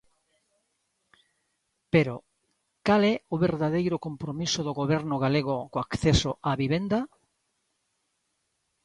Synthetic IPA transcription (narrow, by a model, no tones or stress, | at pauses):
peɾo | kalɛoβeɾðað̞ejɾokompɾomisoðoɣoβ̞ɛɾnʊɣaleɣ̞okoakθesoʔaβiβ̞end̪a